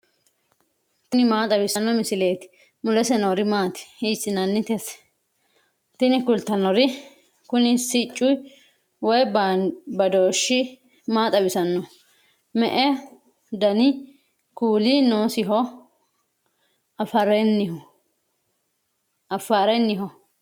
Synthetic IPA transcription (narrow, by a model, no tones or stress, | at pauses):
t̪ʊnɪmaːt̪ʼɐbɪsɐnːɔmɪsɪle̞ːt̪ɪ̥ | mʊlɛsɛnoːɾɪmaːt̪ɪ̥hiːsɪnɐnːɪt̪ɛs | t̪ɪnɪkʊlt̪ːɐnɔɾɪ | kʊnɪsɪt͡ʃʼːʊj | wɔj | bɐd̪oːʃːɪ | maːt̪ʼɐbɪsɐnːɔ | mɛʔɛ | d̪ɐnɪ | kuːlinoːsɪɦɔ | ɐfɐɾɛnːɪhɔ | ʔɐfːaːɾɛnːɪɦɔ